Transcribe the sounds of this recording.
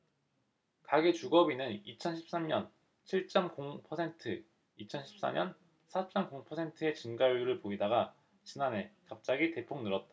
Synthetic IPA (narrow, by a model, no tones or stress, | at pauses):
kaɡet͡ɕuɡʌbinɯnit͡ɕʰʌnɕʰi̥p̚s͈amɲʌn | t͡ɕʰiɭt͡ɕ͈ʌmkoŋpʰʌsʰe̞ntʰɯ | it͡ɕʰʌnɕʰi̥p̚s͈a̰ɲʌn | sʰat͡ɕ͈ʌmkoŋpʰʌsʰe̞ntʰɯe̞t͡ɕɯnɡauɭuɾɯɭpoidaɡa | t͡ɕinane̞kap̚t͡ɕ͈aɡite̞pʰoŋnɯɾʌt̚t͈a